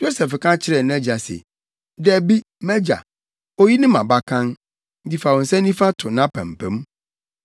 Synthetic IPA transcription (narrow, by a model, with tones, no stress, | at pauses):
jo˦sɛ˨fkʰã˦t͡ɕʰɪ˦ɾɛ˨ñ˦ɛ˦d͡ʑa˨sɛ̰˨ | dɛ˨bi˦ | mɛ˦d͡ʑa̰˨ | o˦ji˦nɪ̃˦mã˨ba˦kʰã˦n | n̩˦di˦˨fa˨wɔ̃˨n̩˨sɛ̃˦nĩ˦fa˦tʰʊ˨nã˦pʰæ̰̃˨m̩˨pʰɛ̰̃˦m˦